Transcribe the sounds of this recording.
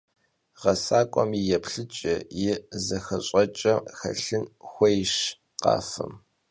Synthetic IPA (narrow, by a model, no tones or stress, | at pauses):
ʁɐsaːkʷʼɔmijɛpɬɨt͡ʃʼɪjɪzɐxɐɕʼɐt͡ʃʼɐxɐ̰ɬɨnxʷɔjʃ | qɑ̰ːfɨ̰m